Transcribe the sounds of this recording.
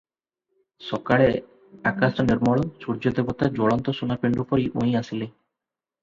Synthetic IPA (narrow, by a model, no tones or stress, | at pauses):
ʃɔkaɭe | akasʈaniɾmɔɭosuɾd͡ʑod̪ebot̪ad͡ʑɔɭɔnt̪oʃunapeɳɖɾupoɾiʔojasile